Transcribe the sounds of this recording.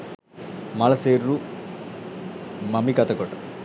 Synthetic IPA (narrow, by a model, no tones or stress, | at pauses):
mɐlɐseːɾɾu | mɐmikɐt̪ɐkoʈɐ